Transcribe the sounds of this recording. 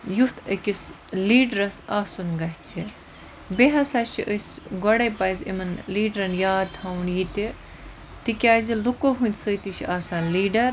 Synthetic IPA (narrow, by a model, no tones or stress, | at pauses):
jut̪ʰəkʲis | liːɖɾɐsaːsunɡɐɦt͡sʰi | beɦɐsaːt͡ʃʰiʔəsʲɡɔɽɐjpajzʲḭmɐnliːɖɾɐnjaːt̪ʰɐwnjit̪e | t̪ikʲaːzilukoɦũnʲt̪ʲsəːt̪it͡ʃʰiʔaːsaːnliːɖɐɾ